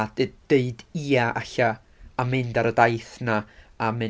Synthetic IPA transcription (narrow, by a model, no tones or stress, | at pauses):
dd̥eɨdiːaʔaɬa | amɪndaɾədajθnaːmɪ